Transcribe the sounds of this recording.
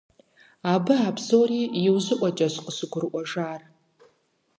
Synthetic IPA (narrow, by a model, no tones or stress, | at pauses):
abɨabzoːriːjɪwzɨʔʷʼɐt͡ʃʼɐʃʷqʼəsɨɡʷʊrʔʷɔʐaːr